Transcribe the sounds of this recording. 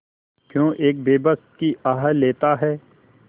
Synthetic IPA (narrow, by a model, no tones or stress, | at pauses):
kjõːʔeːk̚beːbəst̪̚kiʔaːɦəlːeːt̪aɦɛː